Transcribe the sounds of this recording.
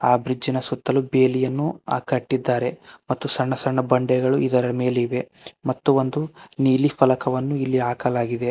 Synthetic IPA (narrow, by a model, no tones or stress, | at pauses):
aːbɾid͡ʒːinɐsut̪ːɐlubeːlijɐnːua̰ːkɐʈːid̪ːaːɾe̞mɐt̪ːusɐɳːɐsɐɳːɐbɐɳɖɛɡɐɭuʔid̪ɐɾɐme̞ːleiʋe̞mɐt̪ːuo̞nd̪uniːlipʰɐlɐkɐʋɐnːuilːiaːkɐlaːɡid̪e̞